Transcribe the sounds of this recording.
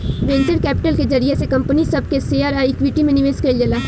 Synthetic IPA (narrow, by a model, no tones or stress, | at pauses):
ɾẽːɲt͡ʃəɾkɛːpɪʈəlkezɐɾiesekɐ̃mpənisɐb̚keseːaːɾaːikʋiʈimẽnɪʋeːskɐid͡ʒəlaː